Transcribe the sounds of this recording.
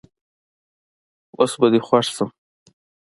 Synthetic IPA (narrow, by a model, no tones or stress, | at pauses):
osbad̪exwaʂsəm